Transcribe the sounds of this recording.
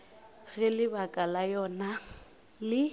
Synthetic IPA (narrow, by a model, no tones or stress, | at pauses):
ɣɪlɪbakʼalajɔna | lɪ